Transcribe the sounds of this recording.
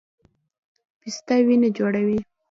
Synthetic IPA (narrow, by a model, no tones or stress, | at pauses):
pist̪awined͡ʒoɽawi